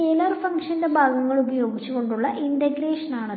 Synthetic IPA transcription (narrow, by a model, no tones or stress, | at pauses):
eːlaːrfɐŋkʂɐndebʱaːɡɐŋːɐɭubɐjo̞ːɡit͡ɕːuɣo̞ɳɖuɭːɐʔindɐɡɾeːʂɐnaːɳɐ